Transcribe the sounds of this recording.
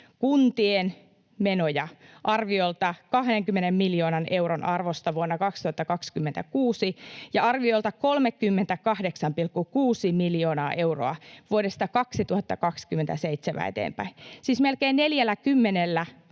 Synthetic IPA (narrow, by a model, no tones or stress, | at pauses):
kunt̪ien | menojɑʔɑrʋiolt̪ɑkɑhdeŋkymːenemmiljoːnɑnʔewronɑrʋost̪ɑʋuonːɑkɑkst̪uhɑt̪ːɑkɑkskymːent̪ækuːsijɑɑrʋiolt̪ɑkolmekːymːent̪ækɑhdeksɑmpilkːukuːsimiljoːnɑ̰ːʔeuro̰ɑʋuodest̪ɑkɑksit̪uhɑt̪ːɑkɑkskymːˑent̪æseit̪semʔæ̰ḛt̪ḛːmpæ̰insiːsmelkeːnneljælːækymːenelːæ